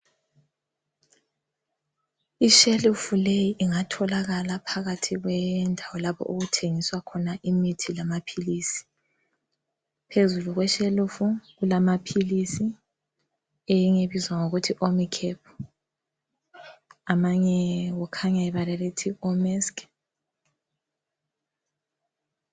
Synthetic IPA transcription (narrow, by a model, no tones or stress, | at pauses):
iʃelufulejiʔiŋatʰɔlaɣalapʰaɣatʰiɣwɛndʱawɔlapʰɔ̰ʔuɣutʰeŋiswakʰɔnaʔimitʰilamapʰilisi̥ | pʰezuluɣwɛʃelufuɣulamapʰilisi | ejiŋeβizwaŋoɣutʰiʔomikʰɛpʰɔ̥ | amaɲɛwɔkʰaɲaɛβalɛletʰiɔmɛsk